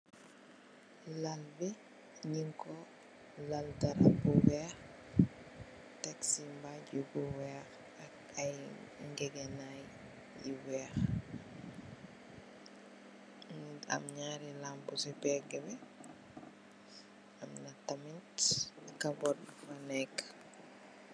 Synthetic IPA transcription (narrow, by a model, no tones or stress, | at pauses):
lalbɛ | ɲiŋkɔ | laldɐɾabuwɛːx | taksimbaɟubuwɛːx | ak | ɐjŋɡɛɡɛnaj | jiwɛːx | a̰mɲaɾilampusɛpɛɡɛbɛ | ɐmnatɐmintkabɔdmanɛkː